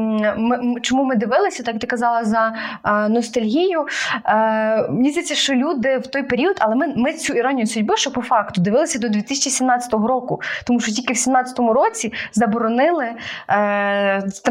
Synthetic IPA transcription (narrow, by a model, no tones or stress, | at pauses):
mɪt͡ʃɔmumɪd̪ɪʋɪlˠɪsʲɐt̪ɑjkt̪ɪkɐzɑlˠɐzɐnɔst̪ɐlʲɦʲijʊ | mnʲizʲd̪et͡sʲːɐʃt͡ʃɔlʲud̪ɪwt̪ɔjpeɾʲiɔd̪ɐlˠɛmɪmɪt͡sʲuiɾɔnʲijʊsʊdʲbɪʃt͡ʃɔpɔfɑkt̪ʊd̪ɪʋɪlˠɪsʲɐd̪ɔd̪ʲʋʲit̪ɪsʲt͡ʃisʲimnɑt͡sʲɐ̥t̪ɔɦɔɾɔkʊt̪ɔmuʃt͡ʃɔtʲilʲkɪwsʲimnɑt͡sʲɐ̥t̪ɔmʊɾɔt͡sʲizɐbɔɾɔnɪlˠɪ